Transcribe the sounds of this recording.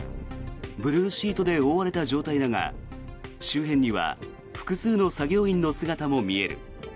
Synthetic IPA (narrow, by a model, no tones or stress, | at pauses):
bɯ̟ɾɯːɕiːt̪o̞d̪e̞o̞ːβaɾe̞t̪aʑo̞ːt̪aid̪aŋa̰ | ɕɨːɦẽ̞ɲ̟ːiβa̰ | ɸɯ̟̥kɯ̟sɨːno̞saɡʲo̞ːĩnːo̞sɨɡat̪amo̞mʲie̞ɾɯ̟̰